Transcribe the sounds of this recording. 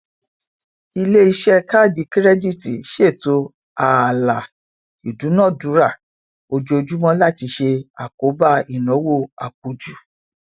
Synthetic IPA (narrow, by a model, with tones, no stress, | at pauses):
i˧le˦i˧ʃɛ˦ka˦˨di˧˦ki˦ɾɛ˦di˦˨ti˨ʃe˦˨to˨˧˦ | a˨la˨ | i˨du˨˦nɔ̃˦˨du˨˦ɾa˦˨ | o˧d͡ʒo˧d͡ʒu˦mɔ̃˦la˦˨ti˧ʃe˧a˨ko˨˦ba˦˨i˨nɔ̃˨˦wo˦˨a˨k̚o˨d͡ʒu˨